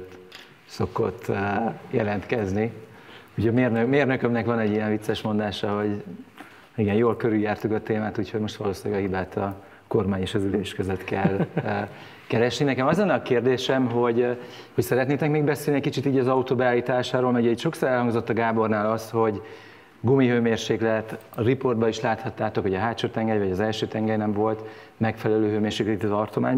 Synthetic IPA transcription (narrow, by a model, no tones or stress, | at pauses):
so̞kot̪ːjɛlɛnt̪kɛzni | uchoɟmeːrnømeːrnøkømnɛkʋɒnɛɟːijɛɱvit̪sːɛʃmo̞nd̪aːʃɒɦo̞ɟ | iɡɛnjoːlkøɾyjaːrt̪ukɒt̪eːmaːt̪uːcho̞ɟmo̞ʃt̪ʋɒloːsilɛɡɒɦibaːt̪ɒ | ko̞rmaːɲeːʃɒzyleːʃkøzøt̪kɛlː | kɛɾɛʃninɛkɛmɒzonːɒkeːrd̪eːʃɛmɦo̞ɟhocsɛɾɛt̪neːt̪ɛkmeːɡbɛseːlniɛcʲkit͡ʃit̪iːɟɒzɒut̪oːbɛaːliːt̪aːʃaːɾoːlmɛɟɛicʃo̞ksoɾɛlhɒŋɡzo̞t̪ːɒɡaːbo̞rnaːlɒsho̞ɟ | ɡumiɦøːmeːrʃeːklɛt̪ | ripo̞rd̪bɒiʃlaːt̪hɒt̪ːaːt̪o̞khoɟɒɦaːt͡ʃoːt̪ɛŋɡɛjvɒɟɒzɛlʃøːt̪ɛŋɡɛrnɛɱvo̞lt̪ | mɛkfɛlɛløːɦøːmeːrʃeːklɛt̪it̪ːt̪ɒrt̪o̞ma̰ːɲ